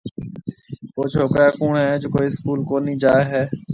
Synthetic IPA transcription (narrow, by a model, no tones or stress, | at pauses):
poːt͡ʃʰoːkɾaːkuːɳɦɛːd͡ʒoːkoːiːskuːlkoːniːd͡ʒaːeɦɛː